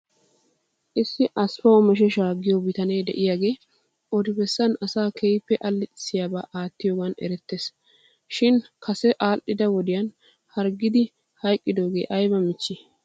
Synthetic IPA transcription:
ʔɪsːɪʔɐspɐwɔmɛʃ̬ɛʃaːɡɪjɔbɪt̪ɐneːd̪ɛʔɪjaːɡe̞ː | ʔɔd̪ɪbɛsːɐnɐsaːkʰɛjpːɛʔɐlːɪt̪ʼɪ̥sːɪjaːba̰ːʔaːt̪ːɪjoːɡɐnɛ̰ɾɛt̪ːeːs | ʃɪnkʰɐsɛʔaːlʔɪd̪ɐwɔd̪ɪjɐn | hɐɾɡɪd̪ɪ | hɐjkʼːɪd̪oːɡe̞ːʔɐjbɐmɪt͡ʃːɪ

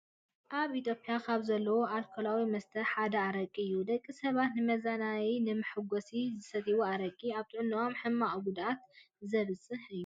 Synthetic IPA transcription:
ʔaβit̪ʰʼjo̞pʼjakʰaβzɐlːɐwoʔalkʰolawimɐst̪ʰɐħad̪ɐaɾɐkʼːiɨjːud̪ɐkʼːisɐβat̪nɨmɐzanajinɨmɨħɨɡosizɨsɐt̪ʰiwuaɾɐkʼiaβt̪ʰʼɨʕɨnio̞mħɨmːaʔɡud̪ʔat̪ | zɐβɨsʼɨħɨjːu

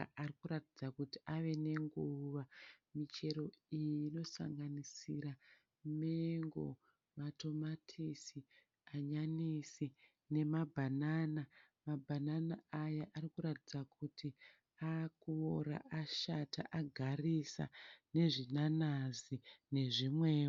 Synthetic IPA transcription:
arikuɾatid͡zakutiaʋe̞ne̞ŋɡuʋamit͡ʃe̞ɾo̞ijino̞sa̰ŋɡanisiɾa | meŋɡo̞̰ | mato̞matʰisi | aɲanisi | ne̞mabʱanana | mabʱananaajaʔarikuɾatid͡zakʰuti | akuoɾa̰ʔaʃata̰ʔaɡʱarisa̰ne̞ʐinanazine̞ʐimwe̞ː

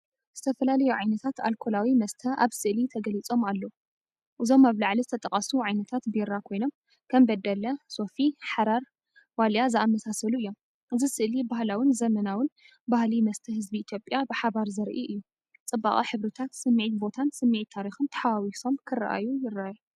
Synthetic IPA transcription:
z̥ɨt̪ʰɐfɐlalɐjuʕajnɐt̪ʰat̪a̰lkʰo̞lawimɐst̪ʰɐʔa̰βsɨʔlit̪ʰɐɡɐlit͡sʼo̞malːɐwu | ʔɨzo̞maβlaʕlizɨt̪ʰɐt̪ʼɐkʼɐsuʕajnɐt̪ʰat̪beɾakʰo̞jno̞m | kʰɐmbɐd̪ːɐlɐso̞fiħaɾaɾ | waljazɨamːɐsasɐluɨjːo̞m | ʔɨzisɨʔlibahlawɨnzɐmɐnawɨn | bahlimɐst̪ʰɐhɨzbiːt̪ʰjo̞pʼjabɨħaβaɾzɐɾʔḭʔɨjːu | t͡sʼɨbːa̰kʼiħɨβɾɨt̪ʰat̪sɨmːiʕit̪̚bo̞t̪ʰansɨmːiʕit̪ʰːaɾixɨnt̪ʰɐ̥ħawawiso̞mkʰɨrːa̰ʔa̰jujɪraaju

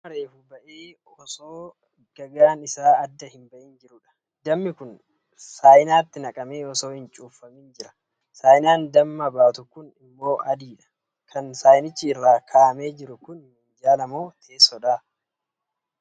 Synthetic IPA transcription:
mɐɾeːfʊbɐʔeː | ɔsoː | ɡ̥ɐɡaːnɪsaːɐd̪ːɐhɪmbɐʔɪnd͡ʒɪɾʊᶑɐ̥ | d̪ɐmːɪkʊn | saːjɪnaːt̪ːɪnɐkʼɐme̞ːɔso̞ːhɪnt͡ʃʼuːfɐmɪnd͡ʒɪɾɐ̥ | saːjɪnaːnd̪ɐmːɐbaːt̪ʊkʊnɪmːo̞ːʔɐd̪iːᶑɐ̥ | kʰɐnsaːjnɪt͡ʃːiɪrːaːkʰaːʔɐme̞ːd͡ʒɪɾʊkʊnnɪnd͡ʒaːlɐmoːt̪ʰeːsːɔᶑaː

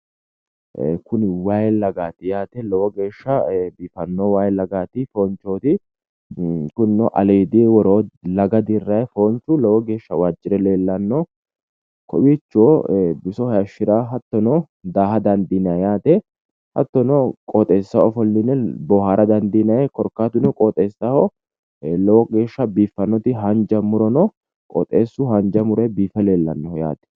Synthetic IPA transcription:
ʔkʊnɪwaːjlɐɡaːt̪ɪjaːt̪ɛlɔwɔɡe̞ːʃːɐbifɐnːowaːjlɐɡaːt̪ɪfo̞ːnt͡ʃːo̞ːt̪ɪ | kʊnnɔ̰ʔɐ̰leːd̪iwɔɾo̞ːlɐɡɐd̪ɪrːɐjɛfo̞ːnt͡ʃʊlɔwɔɡe̞ːʃːɐwaːd͡ʒːɪɾɛle̞ːlːɐnːoː | kʰɔ̰wiːt͡ʃːoːbɪsɔhɐjɐʃːɪɾaːɦɐt̪ːɔnɔ | d̪aːhɐd̪ɐnd̪inɐjjaːt̪ɛ | hɐ̰t̪ːɔnɔkʼɔːt̪ʼeːsːɐɔfɔlːɪnːɛbɔhaːɾʔɐd̪ɐnd̪inɐjɛkɔɾkːaːt̪ʊnɔkʼɔːt̪ʼeːsːahɔ | lɔwɔɡe̞ːʃːɐbiːfːɐnːɔt̪ɪɦɐnd͡ʒɐmʊɾɔnɔ | kʼɔ̰t̪ʼeːsːʊhɐnd͡ʒɐmʊɾɛbiːfɛle̞ːlːɐ̰nːɔja̰ːt̪ɛ̥

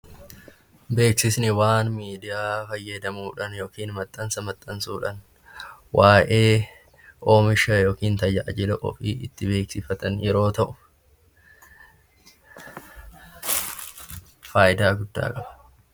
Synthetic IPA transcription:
be̞ːksɪsnɪwaːnmiːd̪ɪjaːfɐjːɐd̪ɐmuːᶑɐnjo̞ːkiːnmɐt̪ʼːɐnsɐmɐt̪ʼːɐnsuːᶑɐn | wʔaːʔeː | ʔo̞ːmɪʃɐjo̞ːkiːnt̪ɐjɐʔɐd͡ʒɪlɐʔɔ̰fḭːɪt̪ːɪbe̞ːksɪfɐt̪ɐnjɛɾo̞ːt̪ɐʔʊ | faːjɪd̪aːɡʊd̪ːa̰ːkʼɐbɐ̥

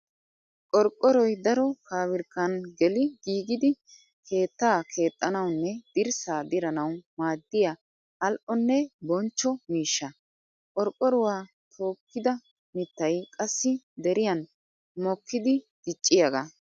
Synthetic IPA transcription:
kʼɔɾkʼːɔɾɔjd̪ɐɾɔkaːwɪɾkːɐnɡɛlɪɡiːɡɪd̪ɪ | kʰe̞ːt̪ːaːkʰe̞ːt̪ʼːɐnɐwnːɛd̪̥ɪɾsaːd̪ɪɾɐnɐwmaːd̪ːɪjaː | lʔɔnːɛbɔnt͡ʃːɔmiːʃːɐ | kʼɔɾkʼːɔɾʊwaː | t̪ʰo̞ːkːɪd̪ɐ | mɪt̪ːɐjkʼɐsːɪ | d̪ɛɾɪjɐn | mɔkːɪd̪ɪ | d̪̥ɪt͡ʃʼːɪjɐɡa

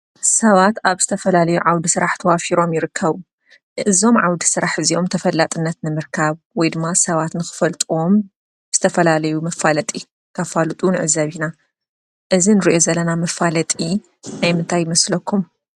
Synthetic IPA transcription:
sɐβat̪aβz̥ɨt̪ʰɐfɐlalɐjuʕawd̪isɨɾaħt̪ʰɐwafiɾo̞mjɪɾɨkʰːɐβu | ɨzo̞mʕawd̪i̥sɨɾaħɨziomt̪ʰɐfɐlːat̪ʼɨnːɐt̪nɨmɨɾkʰaβ | wɔjd̪ɨmːasɐβat̪nɨxɨ̥fɐlt̪ʼuo̞m | bɨzɨt̪ʰɐfɐlalɐjumɐfalɐt̪ʼi | kʰɐfalt̪ʼunʕɨzɐβina | ʔɨzinɨɾiʔo̞zɐlːɐnamɐfalɐt̪ʼi | najmɨnt̪ʰajːɪmɐslɐkʰːum

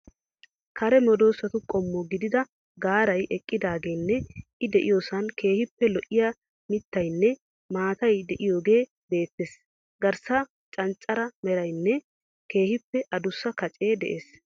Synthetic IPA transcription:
kʰɐɾɛmɔd̪o̞ːsːɐt̪ʊkʼɔmːɔɡɪd̪ɪd̪ɐ | ɡaːɾɐjʔɛkʼːɪd̪aːɡe̞ːnːɛʔɪd̪ɛʔɪjo̞ːsɐnke̞ːhɪpːɛlɔʔɪja | mɪt̪ːɐjnːɛ | maːt̪ɐjd̪ɛʔɪjo̞ːɡe̞ː | be̞ːt̪ːes | ɡɐɾsɐ | t͡ʃʼɐnt͡ʃʼɐɾɐmɛɾɐjnːɛ | ke̞ːhɪpːɛʔɐd̪ʊsːɐkɐt͡ʃʼe̞ːd̪ɛ̰ʔeːs

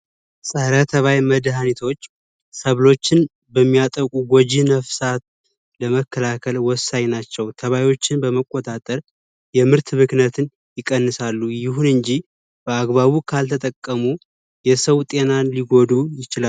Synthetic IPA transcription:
sʼəhɾat̪ʰəβajməd̪ɦanit̪ʰo̞t͡ʃː | səβlo̞t͡ʃːɪn | bəmːijat̪ʼəkʼuɡod͡ʒinəfsat̪̚ | ləməkːəlakʰəlwɔsːaɲnat͡ʃːɛwt̪ʰəβajwo̞t͡ʃːɪnbəməkʼːot̪ʼat̪ʼəɾ | jɛmɨɾt̪ʰmɨknət̪ʰɨn | jɪkʼːənːɨsalːujɪɦunɨɲd͡ʒi | b̥əaɡβaβukʰalt̪ʰət̪ʼəkʼːəmu | jɛsəwt̪ʼe̞nanliɡo̞d̪ujɪt͡ʃɪla

